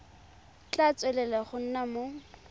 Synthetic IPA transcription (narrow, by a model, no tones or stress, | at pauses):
t͡ɬat͡sʼwɛlɛlɛχʊn̩namo